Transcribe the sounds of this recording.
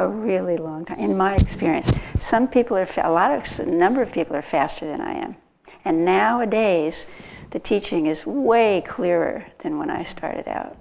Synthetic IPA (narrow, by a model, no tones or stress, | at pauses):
əɹɪlˠilɔ̃ŋtʰãɪ̃ɨ̃nmaɪɨkspɪɹiɨ̰̃nsʌ̃mpʰipl̩ˠə˞fə̰lɔɾʌnʌ̃mbə˞ʌv̥pʰipl̩ˠə˞fæstʰə˞ðɨ̃na̰ɪɨ̰̃m | ɨ̃nːaʊɨdeɪz̥ðɨtʰit͡ʃɪ̃ŋɨzweɪkʰl̥ɪɹə̰˞ðɨ̃nwə̰̃ña̰ɪstʰɑ̰ɹɾɨ̰ɾa̰ʊt̚